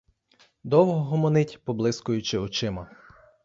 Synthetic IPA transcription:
d̪ɔwɦɔɦɔmɔnɪtʲpɔblˠɪskʊjʊt͡ʃɪɔt͡ʃɪmɐ

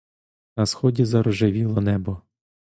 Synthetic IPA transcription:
nɐsxɔdʲizɐɾɔʒɪʋʲilˠɔnɛbɔ

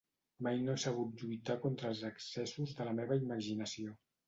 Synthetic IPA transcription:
majnoɛsəɣut̪ʎujt̪akont̪ɾəːlˠzəksɛsuzðələmeβəiməʒinəsio

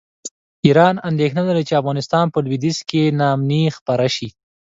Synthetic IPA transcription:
iɾɑnand̪exnalaɾat͡ʃeafɣɑnɪst̪ɑnpəlwid̪iskenɑmnixpaɾaʃi

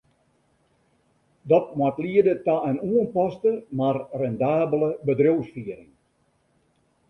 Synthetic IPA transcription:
dɔt̚mwatliədətaənuənpɔstəmarrɛndaːbələbədrowsfiəɾɪŋ

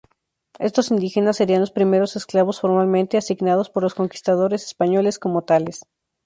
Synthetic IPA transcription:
e̞st̪o̞sind̪ixe̞nasːe̞ɾianlo̞spɾime̞ɾo̞sesklaβ̞o̞sfo̞ɾmalmẽnt̪easiɣnað̞o̞spoɾlo̞sko̞ŋki̥st̪að̞o̞ɾe̞sespaɲo̞le̞sko̞mo̞t̪ale̞s

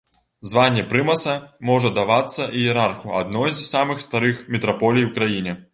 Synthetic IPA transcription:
zvanʲːɛpɾɨmɐsɐmɔʐɐd̪avat̪sːɐʔijɛɾarxua̰d̪nɔjzsamɨxst̪aɾɨxmʲɛt̪ɾapɔlʲijwkɾajinʲɛ

